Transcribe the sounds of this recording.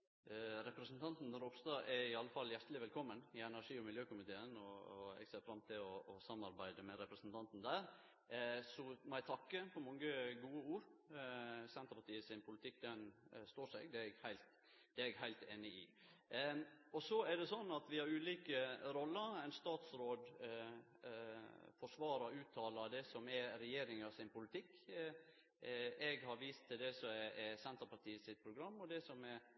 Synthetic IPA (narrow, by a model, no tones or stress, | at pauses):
ɾɛpɾɛsənt̪ʰɑnt̪nɾoːpst̪ɑʔɛɪɑlːəfɑljæɾt̪əlɪʋɛlkʰɔmːənɪɛnæɾʂiːɔmɪljøːkʊmɪt̪ʰeːənɔɛ̰ɡseːɾfɾɑmt̪ʰɪlɔːsɑmɑɾbæɪd̪əmɛɾɛpɾəsnt̪ʰɑnt̪n̩d̪æːɾ | sɔmæɪt̪ʰɑkːəpʰɔmɑŋːəɡuːəuːɾ | sɛnt̪əɾpɑʈ̪iːəsɪnpʰʊlɪt̪ʰɪkːd̪ɛnst̪oːʂɛ̰ɡd̪ɛɛɡhæɪlt̪ | d̪̥ɛɛɡhæɪlt̪eːnəɪ̰ | ɔsɔɛɖɛsɔnːɑt̪ʋɪhɑɾʉːliːkəɾɔlːəɾæɪnst̪ɑːt̪sɾoːd̪ | fɔʂʋɑːɾɑɾʉːt̪ʰːɑːlɑd̪ɛsɔmɛɾɛjeːɾɪŋɑsɪnpʊlɪt̪ʰɪkː | ɛɡhɑɾʋiːst̪ʰːɪld̪ɛsɔɛsɛnt̪əɾpɑʈ̪ʰiːəsɪt̪̚pʰɾʊɡɾɑmːɔd̪ɛsɔmɛɾ